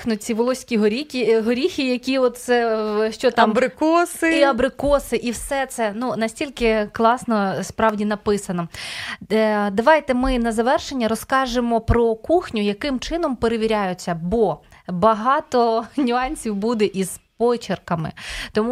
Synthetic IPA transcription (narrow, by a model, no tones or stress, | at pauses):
xnʊt͡sʲiʋɔlˠɔsʲkʲiɦɔɾʲikʲiɦɔɾʲixʲijɐkʲiɔt̪̚sɛʃt͡ʃɔt̪ɑmbɾɪkɔsɪiɐbɾɪkɔsɪʔiwsɛt̪sɛnunɐsʲtʲilʲkɪklˠɑsnɔspɾɑwdʲinɐpɪsɐnɔ | d̪ɐʋɑjt̪ɛmɪnɐzɐʋɛrʃenʲːɐɾɔskɑʒɪmɔpɾɔkuxnʲʊjɐkɪmt͡ʃɪn̪ɔmpeɾeʋʲiɾʲajʊt͡sʲːɐbɔbɐɦɑt̪ɔnʲʊɑnʲsʲiwbud̪ɛʔiz̥pɔt͡ʃɪrkɐmɪ̰t̪ɔmu